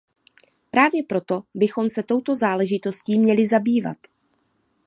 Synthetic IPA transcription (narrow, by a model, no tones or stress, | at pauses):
pɾaːvjɛpɾo̞t̪o̞bɪxo̞msɛt̪o̞wt̪o̞zaːlɛʒɪt̪o̞sciːmɲɛlɪzabiːva̰t̪